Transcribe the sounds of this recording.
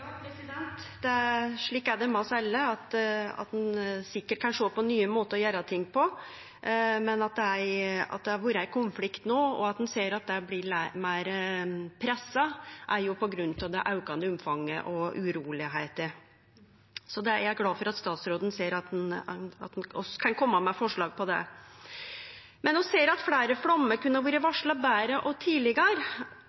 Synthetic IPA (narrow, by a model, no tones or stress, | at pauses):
jɑpɾɛsɪd̪ɛnt̪d̪ɛʂɭiːkːæɖɛmɛɔsɛlːəɑt̪ɑ̰t̪̚d̪ɛnsɪkːəʈ̚kʰɑnʂoːpɔnyːəmoːt̪əɔjøːɾɑt̪ʰɪŋːpʰɔ | mɛnɑt̪̚d̪ɛæɾɑ̰t̪̚d̪ɛɑɾʋuːɾəæɪkʰʊnflɪkt̪noːɔ̰ɑt̪d̪ɛnseːɾɑt̪̚d̪ɛblɪɭæmæɪɾpʰɾɛsːɑʔæɾjʊpɔɡɾʉnːt̪ɑʋd̪ɛʔɑʉkɑnd̪əʊmfɑŋːə̰ʔɔʉɾuːlɪɦeɪt̪ə | sɔd̪ɛjæɾɡlɑːfɔɾɑt̪st̪ɑːt̪sɾoːd̪ənseːɾɑt̪̚nɑ̰t̪̚d̪nɔskʰɑnkʰɔmːɑmɛfɔʂɭɑːɡ̚pʰɔd̪ɛ̰ | mɛnɔseːɾɑt̪fɽæːɾəflɑmːəkʉnːəɾʋuːɾəʋɑʂɭɑbæːɾəʔɔt̪ʰiːlɪɡəɾ